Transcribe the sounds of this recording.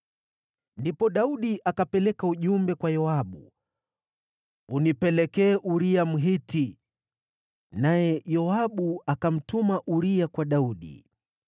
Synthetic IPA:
ndipɔɗauɗiʔakapɛlɛkauʄumbɛkwajɔaɓṵ | unipɛlɛkɛːʔuɾiam̩ɦiti | najɛjɔaɓuakam̩tumaʔuɾiakwaɗauɗḭ

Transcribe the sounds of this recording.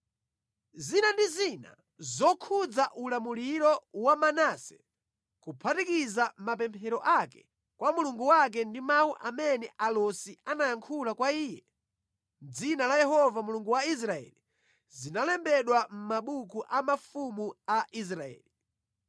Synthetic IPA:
zinandizina̰ | zɔkʰud͡zaʔulamuliɾɔwamanasɛ̥ | kupʰatikizamapɛmpʰɛɾɔʔakɛ̥ | kwʔamuluŋɡuwak̬ɛndimauʔamɛnɛʔalɔsianajaŋkʰulakwaiːjɛ | d͡zinalajɛɦɔvamuluŋɡuwais̬ɾaɛ̰li | zinalɛmbɛɗwam̩maɓukuʔamafumuaʔis̬ɾaɛ̰ːli

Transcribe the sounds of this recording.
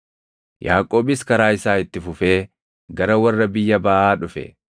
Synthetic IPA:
jaːkʼo̞ːbɪskɐɾaːɪsaːɪt̪ːɪfʊfe̞ː | ɡɐɾɐwɐrːɐbɪjːɐbɐʔaːᶑʊfɛ̰

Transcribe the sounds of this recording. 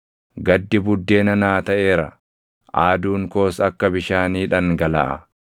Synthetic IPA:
ɡɐd̪ːɪbʊd̪ːe̞ːnɐnaːt̪ɐʔe̞ːɾɐ | ʔaːd̪uːŋko̞ːsɐkːɐbɪʃaːniːᶑɐŋɡɐlɐ̰ʔɐ̰

